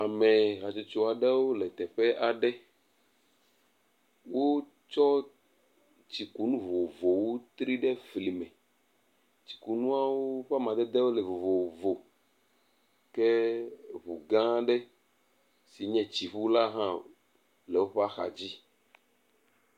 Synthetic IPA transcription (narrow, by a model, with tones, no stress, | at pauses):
a˨mɛ̃˨ɣa˨t͡ʃe˨t͡ʃo˨a˨ɖe˦wo˦lɛ˨t̪ɛ˨ɸɛ˦ʔa˨ɖɛ˦ | wo˦ | t͡ʃɔ˦ | t͡ɕi˨ku˨nũ˦vo˨vo˨wo˦t̪ɾi˦ɖɛ˦vli˨mɛ̃˨ | t͡ɕi̥˨ku˨nũ˦a˦woo˦ɸa˦mã˨d̪ɛ˦d̪e˦wo˦lɛ˨vo˨vo˨vo˨ | kɛ˦βu˨ɡã˦ɖɛ˦ | si˨ɲɛ̃˦t͡ɕi˨ɸu˦la˦ɦã˦ | le˨wo˦ɸa˦xa̰˨d͡ʑi˦